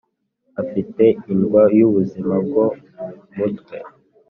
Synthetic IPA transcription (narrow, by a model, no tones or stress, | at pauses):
afiteinɡwajuβuzimab̚ɡo | mutke